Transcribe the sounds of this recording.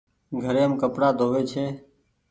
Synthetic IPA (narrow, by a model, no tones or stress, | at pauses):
ɡʱəɾeːɦəmkəpɽaːd̪ʱoːʋeːt͡ʃʰeː